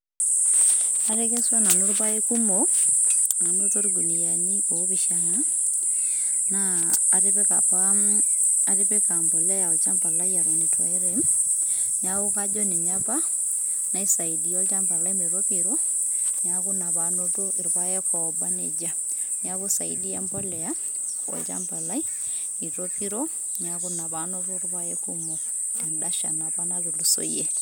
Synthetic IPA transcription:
a˨ɾe˦ke˦swa˦na˨nu˦ɾpa˦e˦ku˦mo˨ | na˨no˦to˦ɾiɡu˨ni˨ja˨ni˦ko˨˦βi˨ʃana˦ | naː˨ɾe˦βe˦ka̰˨pa | a˨ɾi˦pe˦ka˨mbo˨lɛ˦ja˨o˨t͡ʃa˦mba˨la˦ia˨ɾwa˨ne˨tʰwa̰˨e˦ɾe˨m | ɲa˦ku˦ka˦d͡ʒɔ˦ne˨ɲa˦pa˦ | na˨˦i˦sa˨i˨di˨ɔ˦lt͡ʃa˦mba˨la˦i˦me˨ɾo˦pi˨ɾo˦ | ɲaku˦na˨bano˦to˦ʔɪ˨ɾba˦jɛ˦kʰɔ˨ba˦nḛ˦d͡ʒa˦ | ɲa˦βu˦sa̰˨ḭ˦di˦a˦mbɔ˦lɛ˨ja˦ | ɔ̰˨lt͡ʃa̰˦mba˨la˦i˦ | i˨ɾo˦pi˦ɾo˦ | ɲaku˦na˨ba˦no˦tu˦ɾpa˦jɛ˦ku˦mo˨ | ɛ˨nda˦ʃa̰˨napa˦na˦to˨lu˨so̰˦jḛ˦

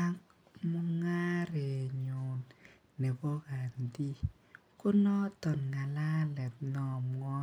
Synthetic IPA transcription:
a˦k | mɔ˦ŋa˦ɾɛ˨ɲo˨nː | ɛ˨bɔ˦ɣa˨ndi˦ | kʊ˦nɔ˦tɔ˨nŋa˨la˦lɛ˨t̪̚nɔ˨mŋɔ˦

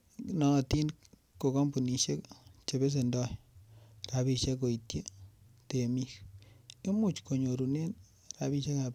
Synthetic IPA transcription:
nɔ˨ti˦n | kːo˨ko˦mbu˨ni˨ʃe˦kt͡ʃe˨be˦s̬e˨ndɔ˦ | ra˨βi˨ʃe˦ko˨i˨tje˦ | te˨mi˦ke˦mu˦t͡ʃko˨ɲo˨ɾu˨ne˦n | ɾa˨βi˧ʃe˦ka˨

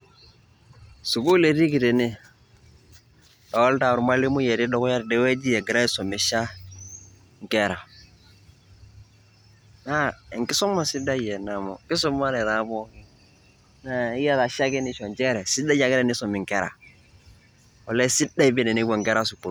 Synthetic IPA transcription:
su˨ku˦le˨ɾi˦ki˨te˨ni˦ | da˨wɔ˦lta˨ʊ˨ɾma˦li˦mu˦jɛ˨ɾi˦dɔ˨kɔ˦ja˦ɾdɛ˨˦wɛ˦d͡ʒi˦jɛ˨ɡɪ˨ɾa˦i˦sɔ˨mi˨ʃa˦ | ŋ˨kɛ˦ɾa˨ | na˦ɛ˨ŋkɪ˦sɔ˦ma˨si˦da˦jɛ˨na˨mɔ˨kɪ˦s̬ɔ˦ma˦ɾɛ˨ða˨˦bɔ˦ŋi˦ | na˨ɪ˦ja˦ða˨ʃa˦kɛ˦nɪ˦ʃɔ˨nt͡ʃɛ˦ɾɛ˨si˦da˦ja˨kɪ˦ɾɛ˦ni˦sɔ˨mɪ˨ŋ˨kɛ˦ɾa̰˨ | ɔ˨lɛ˦si˦da˦i˦bɛ˦nɛ˨ni˦bɔ˨ŋkɛ˦ɾa˦su˨ku˨ɾ

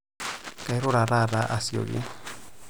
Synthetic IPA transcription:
ka˨jɾo˦ɾa˨ɾa˦ɾa˦ʔa˦sio̰˨ɡḭ˦n

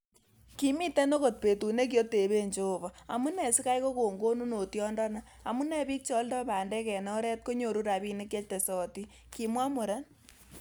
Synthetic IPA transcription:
ki˦mi˦te˦no˦ko˨t̚pe˨tu˨ne˦k̬jo˦te˨βe˦ɲd͡ʒo˦bɔ˨a̰˨mu˦nɛ˨si˦ka˦jko˦ko˨ŋɡo˦nu˦no˨tjɔ˦ndɔ˦na˦ | a˨mu˦nɛ˦bi˦k̚t͡ʃɔ˦ldɔ˦pa˨ndɛ˦kɛ˨nɔ˦ɾɛ˦t̚ko˦ɲo˨ɾu˦ɾa˨bi˦ne˦k̬je˦t͡ʃte˨sɔ˨ti˦ | ki˨mwa˦mo˨ɾa˦n

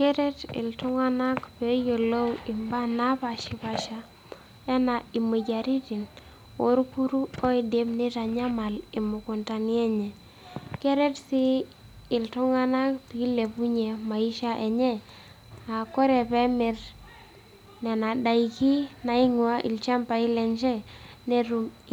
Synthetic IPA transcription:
ke˦ɾe˦tɪ̰˨ltu˦ŋa˦na˦kpe˨˦jo˨lo˦wi˨mba˦na˦pa˨ʃi˨pa˨ʃa˦ | ɛ˦na˨i˨mu˨d͡ʒa˨ɾi˦ti˨n | o˨˦ɾku˦ɾu˦o˦i˦de˦mni˦ta˨ɲa˦ma˨li˨mʊ˨ku˨nta˨ni˦ɛ˦ɲɛ˨ | kɛ˦ɾɛ˦tsi˦ | i˨ltu˦ŋa˦na˦pi˨˦le˨pu˦ɲe˨ma˨i˦ʃa˦ʔe˨ɲɛ˦ | a˨ko˦ɾɛ˨pɛ˦mɪ˨ɾ | nɛ˨na˨da˨i˨ki˦na˨i˦ŋwa˦ʔḭ˨lt͡ʃa˦mpa˨i˦lɛ˨nt͡ʃɛ˦ne˦ɾu˦m

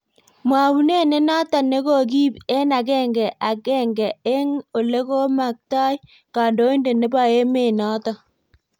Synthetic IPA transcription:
mwa˨wu˨ne˦ne˦nɔ˦tɔ˨ne˦ko˦˨k̬i˦bɛ˦na˨kɛ˦ŋɡɛ˨ʔa˨kɛ˦ŋɡɛ˨e˦ŋo˨le˦ko˦ma˨k̚ta˦j | ka˨ndo˦i˦nde˨ne˦ba˦e˦me˦˨nɔ˦tɔ˦˨

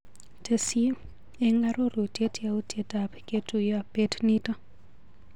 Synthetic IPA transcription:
tʰe˨si | e˦ŋɡa˦ɾo˦ɾo˨te˦tjau˦tjetapketuja˨petnita˦

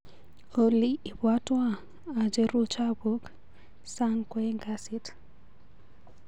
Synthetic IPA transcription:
o˨liː˦˨bwa˦twa˦˨ | a˨d͡ʒe˦ɾu˦t͡ʃa˦bu˦k | sa˦ŋkwe˦ŋɡa˦si˦t

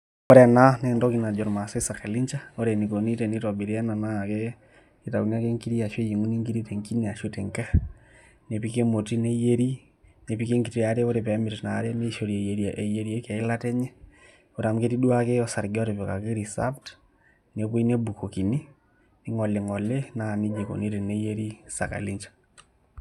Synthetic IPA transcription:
ɔ˦ɾɛ˨na˦nendɔkina˨d͡ʒɔ˨ɾma˨sɔ˦isa˨keli˦ɲt͡ʃaoɾe˨ni˨ko˨ni˦teni˦tɔbi˨ɾi˦ɛ˦na˨naː˦˨ke | i˦taku˨ni˦a˦ke˦ŋki˦ɾi˦a˨ʃwe˦ji˨ŋu˦ni˦ŋɡi˦ɾi˦te˨ŋki˦nia˨ʃu˦te˨ŋkɛ˦ | ne˨pike˦mo˨ti˦ne˦je˦ɾi˦ | ne˨pi˦ke˦ŋɡite˦ja˨ɾe˦o˦ɾe˨pɛ˨˦meti˨na˨ɾe˦ne˦ʃo˨ɾie˨je˨ɾja˨ʔe˨je˦ɾie˦ka˨i˦la˦tɛ˦ɲɛ˦ | o˨ɾa˨m˦ke˦ti˦dwa˦ke˦jɔsa˨ɾɡɔ˦ɾe˨βɛka˨keɾi˨sa̰pt | neβwe˦i˦ne˦bu˨ko˨ki˨ni˦ | ni˦ŋɔ˨le˨ŋɔ˨le˦na˦˨ni˦d͡ʒe˨ko̰˨ni˦te˨ne˦je˦ɾi˦sa̰˨ka̰˨li˦ɲt͡ʃḁ

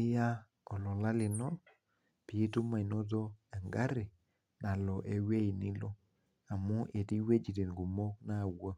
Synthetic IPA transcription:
ɪ˦ja˦ | ɔ˨lɔ˨la˦lɪ˨nɔ˦ | pi˨˦tu˦ma˨i˨no˦do˦e˨ŋɡa˦ɾi˨ | na˨lɔ˨ʔe˨we˦i˨ni˦lo˦ | a˨mu˦ʔe˨ti˦we˦d͡ʒi˨ɾe˨nɡu˨mo˦na˦˨wo˦

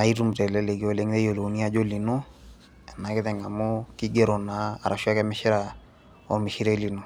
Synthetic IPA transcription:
a˨i˦tu˦mtɛ˨lɛ˦lɛ˨ɡi˦o˨le˦ŋtɛ˦jo˨lo˨ni˦a˦d͡ʒo˦li˨nu˦ | ɛ˨na˨kɪ˦tɛ˨ŋa˨mu˦ki˦ɡe˦ɾɔ˨naː˨ɾʔa˨ʃwa˦kɛ˦mɪ˦ʃɪ˦ɾa˨ | ɔ̰˨mɪ˨ʃi˦ɾɛ˦li˨nu˨

